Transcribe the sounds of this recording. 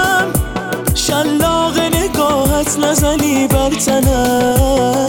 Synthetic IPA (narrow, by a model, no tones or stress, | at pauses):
ʃalːɔːɣeneɡɔːɦat̪ʰnazaniːbaɾt̪ʰana